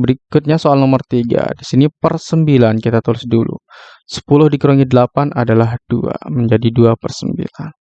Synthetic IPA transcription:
bəɾikʊt̪̚ɲasoalnɔmərt̪iɡa̰disinipərsəmbilankit̪at̪ulɪsdulṵ | sə̥pulʊhdikɾoŋidəlapanʔa̰dalahd̥ua̰məɲd͡ʒadiduapərsəmbḭlan

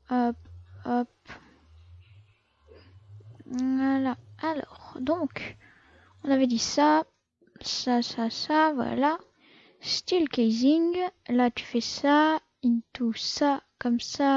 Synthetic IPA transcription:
ɔpɔp | alaalɔ̰ʁd̪ɔ̃k | ɔ̃navɛd̪isa | sasasavwa̰la | st̪ilkɛziŋlat̪y̥fɛsa | it̪usakɔmsa

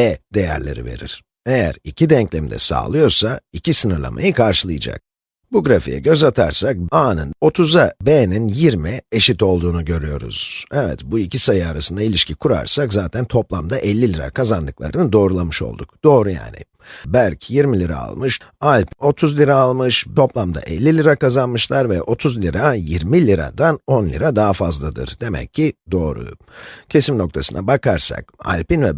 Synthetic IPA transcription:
ɛd̪e̞jæ̰ɾlʲe̞̰ɾḭve̞̰ɾḭɾ̥ | e̞jæ̰ɾicʰid̪ɛɲclʲɛmd̪ɛ̰sa̰ːlˠɯjo̞ɾsaicisɯnɯɾlˠa̰ma̰jɯkʰaɾʃɯlˠɯjɯd͡ʒa̰k̚ | buɡɾafijɛ̰ɟø̞zat̪ʰaɾsak̚aːnɯno̞t̪ʰuzabeninjiɾmieʃit̪o̞lˠd̪uːnuɟø̞ɾyjo̞ɾṵz̥ɛvɛ̰t̪buicʰisajaɾasɯnd̪ailʲiʃcʰikʰuɾa̰ɾsakzaːt̪ʰænt̪ʰo̞plˠamd̪aʔɛlʲːilʲiɾa̰kʰazand̪ɯklˠa̰ɾɯnɯd̪o̞ːɾulˠamɯʃo̞̰lˠd̪ukd̪̥o̞ːɾuja̰ːnɪ̰ | bæɾcʰjiɾmilʲiɾa̰a̰lˠmɯʃalʲpo̞t̪ʰuzlʲiɾaːlˠmɯʃʰo̞plˠamd̪a̰ʔɛlʲːilʲiɾakazanmɯʃlˠaɾvɛʔo̞t̪ʰuzlʲiɾajiɾmilʲiɾa̰d̪ano̞nlʲḭɾad̪aɦafazlˠad̪ɯ̰ɾd̪e̞mɛ̰cʰːid̪o̞ːɾṵ | cʰe̞simno̞k̚t̪ʰasɯna̰bakʰaɾsa̰ka̰lʲpinvɛ

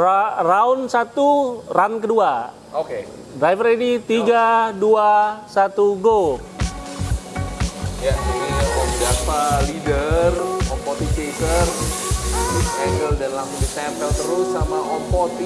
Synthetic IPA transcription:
araʊnsat̪urankədua | oke | dɾajfəɾedit̪iɡaduasat̪uɡo | jad͡ʒumanawɔŋd͡ʒafalidərɔpɔt̪ipesər | sisɛŋɡəldanlaŋudisɛmpəlt̪əɾʊsːamaʔɔpɔt̪i

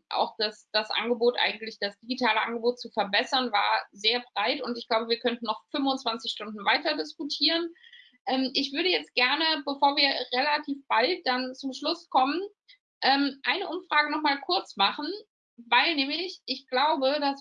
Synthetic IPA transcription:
ʔa̰ʊxd̥asd̥asʔa̰nɡəboːtʔa̰ɪɡŋ̩tlɪçd̥asd̥iɡitʰaːləʔanɡəboːt̚t͡sufɛɐbɛsɐnva̰ːɐzeːɐbʁaɪtʊntɪçɡ̥laʊbəviːɐkʰœntn̩ːɔχfʏmvʊnt͡sv̥ant͡sɪçʃtʊndn̩vaɪtɐdɪskutʰiːʁ̞ən | ʔɛːmʔɪçv̥ʏɐɾəjɛt͡st̚ɡ̥ɛɐnəbəfoːɐviːɐʁelatʰiːfb̥alt̚d̥ant͡sʊmʃlʊskʰɔmən | ʔɛːmʔaɪnəʔʊmfʁ̥aːɡənɔχmaːlkʰʊɐt͡smaχn̩ | vaɪlnɛːmlɪçɪçɡ̥laʊbədas

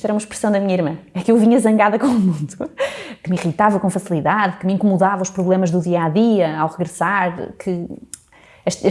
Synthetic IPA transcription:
t̪ɛɾɐumɐʃpɾɨsɐ̃w̃d̪ɐmiɲɐiɾmɐ̃ɛkewviɲɐzɐ̃ŋɡaðɐkõumũnd̪ukɨmiʁit̪avɐkõfɐsilˠiðaðkɨmĩŋkumuðavɐuʃpɾuβlˠemɐʒðuðiɐaðiɐawʁɨɣɾɨsaɾ̰kʰɨ | ɐʃ

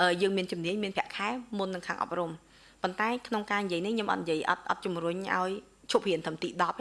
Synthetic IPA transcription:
ʔəːjəːŋmiənt͡ɕumniəɲmiənpʰɛ̆əʔkʰaɛmunːɨŋkʰaːŋʔɑ̰p̚rum | pont̪aɛkʰnoŋkaːnijiəjnihkʰɲomʔɑ̰t̪̚jiəjʔɑ̰t̪̚ʔɑ̰t̪̚t͡ɕumruɲʔa̰ɔj | t͡ɕʰup̚hiənt̪ʰəmt̪iːɗɑp̚

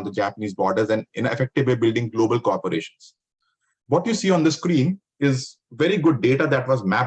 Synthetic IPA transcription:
nd̪əd͡ʒæːpəniːzbɔːɾɖəɾzɛ̃ɳɖɪ̰̃nɪ̰fɛk̚ʈɪblibɪlɖɪ̃ŋɡloːbəlkɔːɾpəɾḛːʃə̃nz̥ | ʋɔːʈjuːsiːɔ̃ːnd̪əskɾĩːn | ɪz | ʋɛɾiɡʊɖ̚ːeːʈad̪æʈʋɔːzmæ

